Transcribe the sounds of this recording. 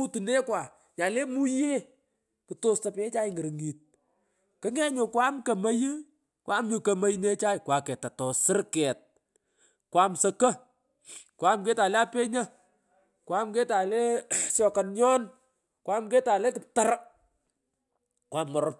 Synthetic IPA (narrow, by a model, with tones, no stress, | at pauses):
u˦tu˨ne˦kwaː˨ | ɲa˨le˦mu˦je˦ | kɨ˨to˦sta˨pe˦t͡ʃa˦jŋə˨ɾŋi˨t̚ | kɪ˦ŋɛ˦ɲo˨kwa˦mkɐ˨mɐ˦jɨ˦ | kwʔa˦mɲʊ˨kɐ˨ma˦jne˦t͡ʃa˦jkwa˨kɛ˨tːa˨tɔ˨sɪ˦ɾkɛ˨t̚ | kwa˨msɐ˨kɐ˦ | kwa˦mke˦ta˨le˦a˦pe˦ɲɐ˦ | kwa˦mke˦ta˨le˦sjɔ˨kɐ˨nɲɔ˦n | kwa˦mk̬e˦ta˨le˦kɪ˨p̚ta˦ɾa˦ | kwa˨mŋɔ˨ɾɔp̚